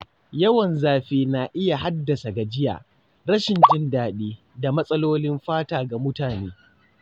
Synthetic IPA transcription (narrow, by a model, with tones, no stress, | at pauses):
jɐ˦wɐ˨nzaː˨ɸeː˦˨naː˨ʔɪ˦ja˨ɦa˦dːɐ˨sa˨ɡa˨d͡ʒɪ˦ja̰ː˨ | ɾɐ˦ʃɪ˨nd͡ʒɪ˦ndaː˨ɗiː˦ | da˨mɐ˦sʼɐ˦loː˦lɪ˦mɸaː˦taː˦ɡa˨mʊ˦taː˨neː˦